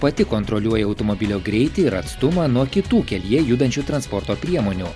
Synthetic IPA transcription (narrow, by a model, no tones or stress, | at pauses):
pɐt̪ʲɪkoːnt̪ɾɔlʲuɔjɛɐʊt̪ɔmɔbʲɪlʲoːɡɾʲɛɪt̪ʲɪɪɾɐt̪st̪ʊmɑːnuɔkʲɪt̪uːkʲɛlʲiɛjuːd̪ɐnʲt͡ʃʲuːt̪ɾɐnspɔɾt̪oːpʲɾʲiɛmoːnʲuː